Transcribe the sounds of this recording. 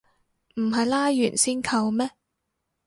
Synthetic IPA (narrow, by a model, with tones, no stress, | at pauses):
m̩˨˩ɦɐ˨jlaː˥jyː˨˩nsiː˥nkʰɐ˧wmɛː˥